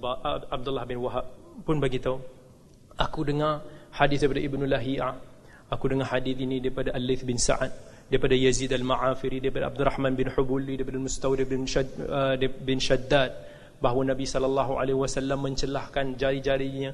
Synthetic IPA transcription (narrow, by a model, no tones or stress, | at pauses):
baab̚d̪ʊlːahbɪnwaɦab̚pʊnbaɡit̪au | ʔakudəŋarhadɪθdajpadaʔibnulaɦiʔa | akudəŋaħadɪθinidaɾipadaʔalːiθbɪnsa̰ʕat̪̚ | daipadajazid̪almaʕafiɾidaɾipadaab̚d̪uraħmanbɪnħubulidaipadalmust̪awdbn | bɪnʃad̪ːat̪̚ | baɦwanabisɔlalːaɦua̰lehwasalːamːəɲt͡ʃəlahkand͡ʒaɾid͡ʒaɾiɲa